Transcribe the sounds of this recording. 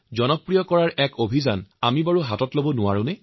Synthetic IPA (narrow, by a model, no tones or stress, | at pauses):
zɔnɔpɹijɔkɔɹaɹʔɛkobʱiza̰namibaɹuɦatɔtlobɔnʊwa̰ɹʊ̃nɛ